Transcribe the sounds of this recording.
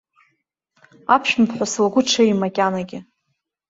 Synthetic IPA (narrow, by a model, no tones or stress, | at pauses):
apʰʃᶣmpʰħʷaslaɡʷʊʈ͡ʂʰaimakʲʼanaɡʲɪ